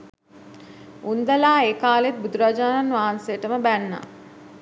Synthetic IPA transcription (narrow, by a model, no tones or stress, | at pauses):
und̪əlaːeːkaːlet̪̚bud̪uɾad͡ʒaːnanʋaːansejəʈəməbænːa̰